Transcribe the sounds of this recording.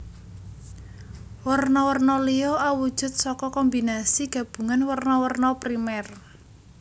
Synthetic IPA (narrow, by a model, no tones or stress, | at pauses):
wərnɔwərnɔlioʔawud̥ʒ̥ʊ̤t̪̚sɔkɔkɔmbinasiɡ̥ä̤b̥ṳŋanwərnɔwərnɔpɾimɛr